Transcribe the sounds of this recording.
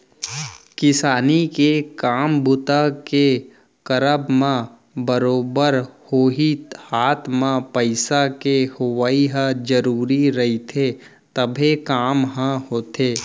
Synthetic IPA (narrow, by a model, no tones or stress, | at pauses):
kɪsaːnikekaːmbʊt̪ake | kəɾəbmã | bəɾoːbəɾhoːɦihaːt̪ʰmãpəɪsakehʊʋaːiɦə̃d͡ʒəɾuːɾiɾɐɦit̪ʰe | t̪əbʱekaːmɦə̃ɦoːt̪eː